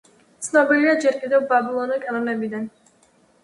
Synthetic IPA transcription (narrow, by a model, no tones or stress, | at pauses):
tt̪sʰnɔbiliad͡ʒɛɾkʼid̪ɛvbabilˠɔnikʼanɔnɛbid̪an